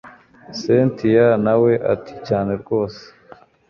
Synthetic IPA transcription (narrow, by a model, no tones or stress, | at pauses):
sentijanawe̞ʔa̰ti̥caːne̞ɾɡo̞ːse̥